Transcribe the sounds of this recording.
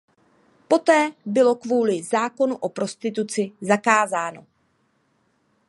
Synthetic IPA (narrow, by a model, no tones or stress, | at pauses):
po̞t̪ɛːbɪlo̞kvuːlɪzaːko̞nuʔo̞pɾo̞st̪ɪt̪ut͡sɪzakaːzaːno̞